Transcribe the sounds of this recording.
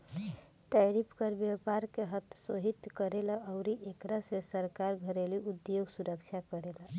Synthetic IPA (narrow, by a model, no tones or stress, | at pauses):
ʈajɾipʰkəɾbjapaɾkeɦət̪ʰsoɦit̪kəɾelaəʊɾiʔekɾasesəɾkaɾɡʱəɾeliʔud̪joɡsuɾəkt͡ʃʰakəɾela